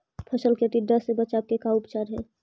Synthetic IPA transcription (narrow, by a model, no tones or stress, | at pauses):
pʰəsəlkeʈiɖəsːebət͡ʃaːb̚kekaʊpt͡ʃaːɾɦɛː